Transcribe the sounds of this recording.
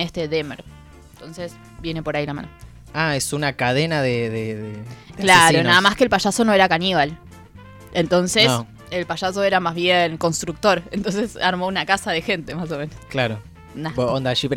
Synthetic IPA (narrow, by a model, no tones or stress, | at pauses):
est̪eðemḛɾ | nt̪o̞nses | bje̞ne̞po̞ɾailama̰no | aesunakaðenaðeðeðekeklaeɾonaðamaskelpaʃaso̞no̞e̞ɾakaniβ̞al | ent̪o̞nsens | elpaʃaso̞eɾamazβjeŋko̞nst̪ɾuk̚t̪o̞ɾent̪o̞ns̬e̞saɾmo̞unakasaðe̞xe̞nt̪e̞mas̬o̞mẽ̞nosklaɾo | nabond̪aʃipe